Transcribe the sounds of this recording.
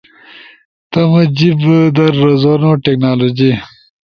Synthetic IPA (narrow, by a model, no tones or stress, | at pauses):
t̪ɐmɐd͡ʑibd̪ɐɾːɐzonoʈeknaːlod͡ʑi